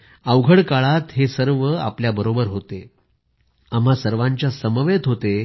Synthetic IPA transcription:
aʋɡʱəɽkaɭat̪ɦesəɾʋəa̰pljabəɾobəɾɦot̪e | am̤asəɾʋãɲt͡ɕjasəməʋet̪ɦot̪e

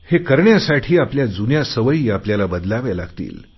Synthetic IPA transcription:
hekəɾɳjasaʈʰiːapljad͡zunjasəʋəiːapljalabəd̪laʋalaɡt̪ḭːl

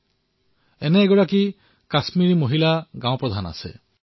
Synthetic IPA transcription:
ɛnɛːɡɔɹaki | kasmiɹimoɦilaɡãw̃õpɹɔd̪ʱana̰sɛ̰

